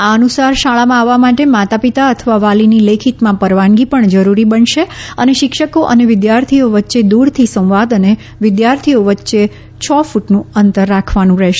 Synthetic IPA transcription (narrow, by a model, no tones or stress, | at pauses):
aənusaɾʃaɭamãaʋamaʈemat̪apit̪aət̪ʰəʋaʋalinilekʰit̪mãpəɾʋãŋɡipəɳd͡ʒəɾuɾibənʃeəneʃɪkʃəkoʔə̰neʋɪd̪jaɾt̪ʰioʋətːʃed̪uɽt̪ʰisə̃wʋad̪əne | ʋɪd̪jaɾt̪ʰioʋətːʃe | t͡ʃʰɔfuʈnũənt̪əɾːakʰʋanũɾɛɦʃe